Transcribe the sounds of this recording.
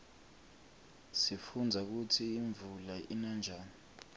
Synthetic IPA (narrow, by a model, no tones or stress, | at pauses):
sifund͡zʱak̬utʰiːɱvulaʔinand͡ʒʱaːni